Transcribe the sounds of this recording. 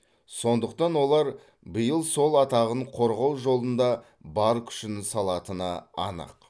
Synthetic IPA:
so̞nd̪əq̚t̪ɑnwo̞lˠɑɾ | bəjəlˠso̞lˠɑt̪ɑʁəɴqʰo̞ɾʁɑw̪ˠʒo̞lˠənd̪ɑ | bɑɾkʲʰʏ̥ʃɪnɪsɑlˠɑt̪ənɑ̰ːnə̰q

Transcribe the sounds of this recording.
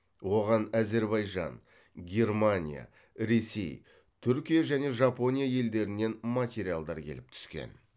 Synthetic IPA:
wo̞ʁɑnæze̞ɾbɑjʒɑ̰n | ɡʲe̞ɾmanʲḭja̰ | ɾe̞se̞̰j | t̪ʰʏɾkʲijaʒæne̞ʒɑpo̞nʲijaje̞ld̪e̞ɾɪnːe̞nmat̪ʲeɾijalˠd̪ɑɾkʲʰe̞̰lɪp̚t̪ʰʏ̥skʲe̞̰n

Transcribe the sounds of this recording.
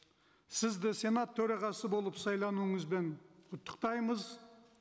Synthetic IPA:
sɪzd̪ɪse̞nat̪ʰːɵɾɑʁɑsəbo̞lˠəpsɑjlˠɑnuəɴəzbe̞nʰʊt̪ːə̥qt̪ɑjməz

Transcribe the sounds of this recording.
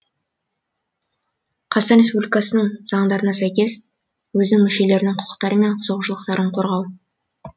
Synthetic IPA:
qʰɑt̪ɑnɾʲe̞spublʲijkɑsənəɴz̥ɑɴd̪ɑɾənɑsæjkʲe̞s | wɵzɪnɪŋmʏʃe̞le̞ɾɪnɪŋqʰʊ̥qə̥qt̪ɑɾəme̞ɴqʰʊzəʁʒəlˠəqt̪ɑɾəɴqʰo̞ɾʁɑw

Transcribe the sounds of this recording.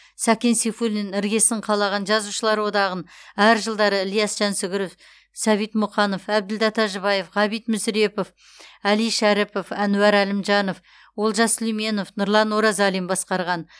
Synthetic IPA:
sɑkʲe̞nsefulnɪnɪɾɡʲe̞sɪɴqʰɑlˠɑʁɑnʒɑzuʃəlˠɑɾwo̞d̪ɑʁənæɾʒəlˠd̪ɑɾəlijɑsʒ̥ænsɪɡʲɪɾof | sæβijt̪mʊqɑno̞fæb̚d̪ɪld̪ɑt̪ɑʒəβɑje̞fʁɑβijt̪mʏsɾe̞po̞f | ælijʃæɾɪpo̞fænuwæɾælɪmʒɑno̞f | wo̞lˠʒɑslime̞no̞fnʊɾlˠɑnoɾɑzɑlˠijmbɑsqɑɾʁɑn

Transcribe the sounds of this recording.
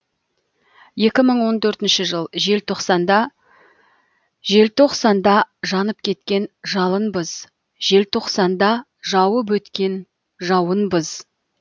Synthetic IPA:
je̞kʲɪməɴwo̞nt̪ʰɵɾt̪ɪnʃɪʒəlˠʒe̞lt̪ʰo̞qsɑnd̪ɑ | ʒe̞lt̪ʰo̞qsɑnd̪ɑʒɑnəp̚kʲʰe̞t̪kʲe̞nʒɑlˠənbəz̥ | ʒe̞lt̪ʰo̞qsɑnd̪ɑ | ʒɑwəp̬wɵt̪kʲe̞n | ʒɑwənbəz̥

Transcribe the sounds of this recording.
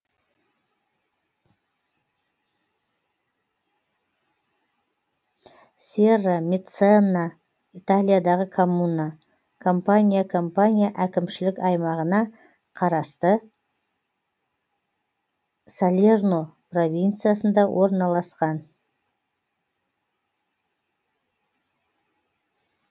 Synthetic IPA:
sʲeramʲet̪sonːa | it̪alʲijad̪ɑʁəkʰomuna | kʰo̞mpanʲijakʰo̞mpanʲijaʔækʲɪmʃɪlɪkʲɑjmɑʁənɑ | qʰɑɾɑst̪ə | salʲernopro̞vʲint̪sɨijasənd̪ɑwʔo̞ɾənɑlˠɑsqɑn

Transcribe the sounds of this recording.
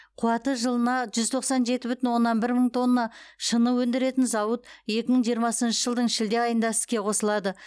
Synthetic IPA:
qʰuwɑt̪əʒəlˠənɑʒʏzt̪ʰo̞qsɑnʒe̞t̪ɪbʏt̪ɪnwo̞nːɑnbɪɾməɴt̪ʰo̞nːɑʃənəwɵnd̪ɪɾe̞t̪ɪnzɑwət̪je̞kʲɪməɴʒijəɾmɑsənʃəʒəlˠd̪əɴʃɪld̪e̞ɑjənd̪ɑsɪ̥kʲe̞qʰo̞səlˠɑd̪ə

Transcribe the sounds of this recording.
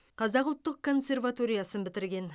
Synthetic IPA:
qʰɑzɑqʊlˠt̪ːəq̚kʰːo̞nsʲe̞rvat̪o̞ɾijasənbɪt̪ɪɾɡʲe̞n

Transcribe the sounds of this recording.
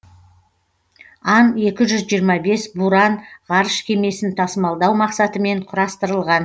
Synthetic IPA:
ɑne̞kʲɪʒʏzʒijəɾmɑbe̞sbuɾɑnʁɑɾəʃkʲʰe̞me̞sɪnt̪ʰɑsəmɑlˠd̪ɑwmɑqsɑt̪əme̞ɴqʰʊɾɑst̪əɾəlˠʁɑn

